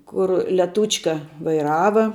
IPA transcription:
ˈkʊr lʲɛˈtuːt͡ʃkɐ ʋɐɪˈrɑːʋɐ

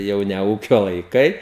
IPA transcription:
ˈjɛʊ nʲɛ ˈuːkʲoː lˠɐɪˈkɐɪ

